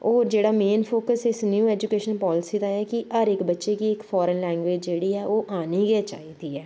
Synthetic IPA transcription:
oːɾd͡ʒeːɽaːmeːnpʰoːkəsɪsnjuːɛːd͡ʒukeːʃənpɔːlɪsiːd̪aːɛːkɪəɾɪkbətːʃeːkiɪkfʰɔːɾənlɛ̃ːŋɡʋeːd͡ʒd͡ʒeːɽiːɛːʔoːʔaːniːɡɪːt͡ʃa̰ːiːd̪iːɛː

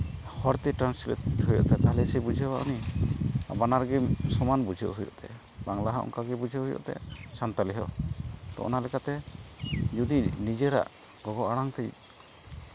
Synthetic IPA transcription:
hɔɾt̪iʈɾanslɛ̰t̪ɦujɔ̰ʔt̪at̪aɦlɛsibud͡ʒʱiɔwaʔṵni | a̰banaɾɡisɔmanbud͡ʒʱiʔɦujɔ̰ʔt̪ɛ̰ | baŋlaɦaʔɔ̰ŋkaɡɛbud͡ʒʱiɦujɔ̰ʔt̪ɛ̰sant̪aliɦɔ̰t̪ɔ̰ʔɔ̰nalɛkat̪ɛ | d͡ʒud̪inid͡ʒɛɾa̰ʔ | ɡɔɡɔʔaɽaŋt̪ɛj

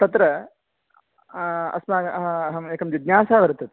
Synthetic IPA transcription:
t̪ɐt̪ɾɐ | ɐ̰smaːɡɐɐɦɐɐɦɐmeːkɐmd͡ʒid̪nʲjaːsaːʋɐɾɐt̪ːɐt̪

